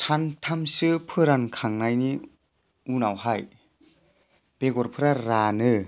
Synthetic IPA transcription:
tʰantʰamsɯpʰɯɾankʰaŋnajni | unawɦaj | b̥eɡɔɾpʰɯɾaɾanɯ

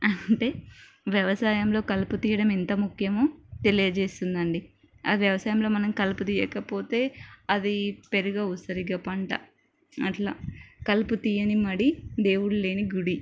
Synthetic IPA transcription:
ɐɳʈe̞ː | ʋjɐʋɐsaːjɐmlo̞ːkɐlput̪iːjɐɽɐmɛnt̪ɐmukʰjɐmoːt̪e̞lijɐd͡ʒeːst̪und̪ɐɳɖi | ɐːʋjɐʋɐsaːjɐmlo̞ːmɐnɐmkɐlput̪iːjɛːkɐpo̞ːt̪e̞ːɐd̪ipe̞ɾuɡausɐɾiɡaːpɐɳʈɐ̰ | ɐʈla̰ːkɐlput̪iːjɐnimɐɽid̪e̞ːwuɽule̞ːniɡuɽi

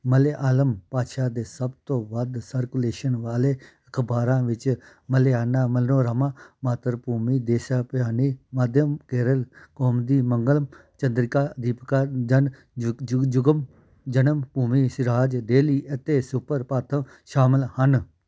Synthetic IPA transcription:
məleːʔaːləmpaːʃaːd̪eːsəbt̪õːʋəd̪səɾkuleːʃənʋaːleːəkʰbaːɾãːʋɪt͡ʃ | məleaːnaːməlnõːɾəmãːmaːt̪əɾpuːmiːd̪eːʃaːpɪjaːniːmaːd̪jəmkeːɾəlkoːmd̪iːməŋɡəlmt͡ʃənd̪ɾɪkaːd̪iːpkaːd͡ʒən | d͡ʒʊɡəm | d͡ʒənəmpuːmiːsɪɾaːd͡ʒd̪eːliːʔət̪eːsʊpəɾpaːt̪ʰəm | ʃaːmɪlhən

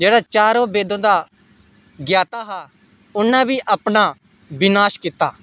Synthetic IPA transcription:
d͡ʒeːɽaːt͡ʃaːɾõːbeːd̪õːd̪aː | ɡjaːt̪aːɦaː | ʊnːãːbiːʔapnaː | bɪnaːʃkit̪aː

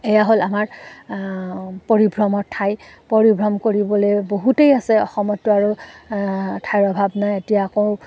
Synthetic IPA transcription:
ejaɦolamaɹ | poɹibʱɹɔmɔtʰajpoɹibʱɹɔmkoɹibɔlejboɦutejasɛɔ̰xɔmɔtːʊaɹu | tʰajɹɔbʱabnajetijaːkõ

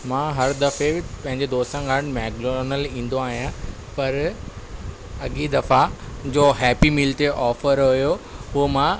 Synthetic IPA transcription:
mãːɦɐɾd̪ɐfebɪpɐ̃ɦɪ̃ɲd͡ʑed̪oːst̪ãɡãːɽ̃mɛːkɖonəlĩːn̆d̪oaːɦijã | pɐɾ | ɐɠid̪ɐfad͡ʑoːɦɛːpimɪlʈeʔɔːfəɾɦʊjoɦʊmã

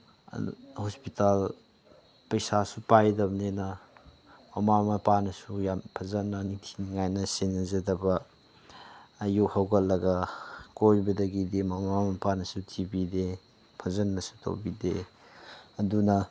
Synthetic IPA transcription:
hospital | pɐjsasupajdɐbnenɐ | mɐmamɐpanɐsujampʰɐzɐnːɐnitʰiniŋajnɐsenɐzɐdɐbɐ | juhawɡɐlːɐɡɐkojbɐdɐɡidemɐmamɐpanɐsutʰibide | pʰɐzɐnːɐsu̥tʰo̰wbide | ɐdunɐ

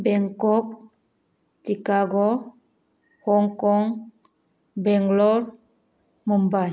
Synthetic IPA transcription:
bɛŋkɔk̚ | sikaɡɔ | hɔŋkɔŋ | bɛŋɡlɔɾ | mɔmbaj

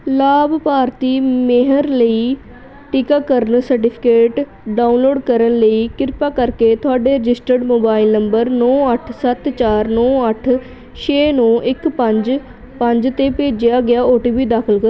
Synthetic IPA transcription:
laːbpaːɾt̪iːmeɦəɾləiː | ʈɪkaːkəɾənsəɾʈɪpʰɪ̥keːʈ | ɖaːunloːɖkəɾənləiːkɪɾpaːkəɾkeːt̪ʊaːɖeːɾɪd͡ʒɪsʈəɾɖmoːbaːɪlnəmbəɾnɔːəʈʰsət̪t͡ʃaːɾnɔːəʈʰ | ʃeːnɔ̃ːʔɪkpəɲd͡ʒ | pəɲd͡ʒt̪eːpeːd͡ʒɪjaːɡɪaːoːʈiːbiːd̪aːkʰəlkə

